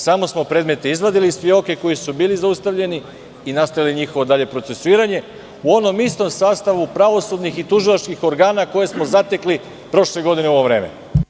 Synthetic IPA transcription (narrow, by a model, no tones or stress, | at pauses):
samo̞smo̞pɾe̞ːd̪me̞t̪eizʋad̪ilispio̞ːke̞ko̞jisubiːlizaust̪aʋʎe̞ni | inast̪ajiliɲixo̞ʋo̞d̪aʎe̞pɾose̞suiːɾaɲe̞ | uo̞no̞mist̪o̞msaːst̪aʋupɾaʋo̞sud̪nixit̪uʒilˠat͡ʃkixo̞ɾɡaːnako̞je̞smo̞zat̪e̞kli | pɾo̞ʃle̞ɡo̞d̪ineuo̞ʋo̞ʋɾe̞ːmḛ